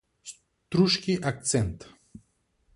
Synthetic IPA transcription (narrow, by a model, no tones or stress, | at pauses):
s | t̪ɾuʃkʲiʔak̚t̪sɛnt̪